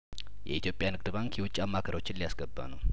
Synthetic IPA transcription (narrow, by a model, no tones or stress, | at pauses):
jɛit̪ʰjo̞pʼjanɨɡd̪ɨbaŋkjɛwʊt͡ʃʼiamːakʰəɾo̞t͡ʃːɪnlijasɡəbːa̰nəw